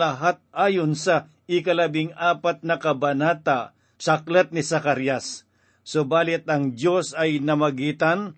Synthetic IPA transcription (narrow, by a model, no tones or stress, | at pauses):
ɐɦat̪̚ʔaːjonsɐ | ɪkɐlɐbɪŋaːpɐt̪̚nɐkɐbɐnaːt̪a | t͡ʃaklɛt̪̚nɪsɐkaɾjasː | obaːlɪt̪̚ɐŋd̪jo̞sɐjnɐmɐɡiːt̪an